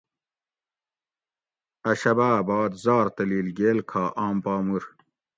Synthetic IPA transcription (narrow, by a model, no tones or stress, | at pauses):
ɐɕɐbaːbɑːd̪zɑːɾt̪ɐliːlɡeːlkʰaːʔaːmpaːmuɾ